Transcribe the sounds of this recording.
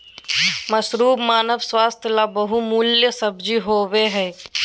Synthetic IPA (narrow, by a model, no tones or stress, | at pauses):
mɐsɾuːbmaːnəʋswaːst̪ʰjəlabɐɦumuːljəsəbd͡ʒiɦoːʋeɦɛː